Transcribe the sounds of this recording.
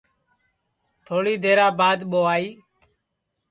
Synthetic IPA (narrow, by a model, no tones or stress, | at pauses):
t̪ʰoːɽiːd̪ʱeːɾaːbaːd̪ɓoːaːiː